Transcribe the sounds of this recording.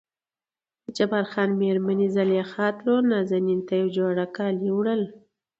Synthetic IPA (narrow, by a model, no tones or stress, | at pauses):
ət͡ʃabaɾxɑnmeɾmanizaljaxɑt̪lonazanint̪ajawd͡ʒoɽakɑliwɽəl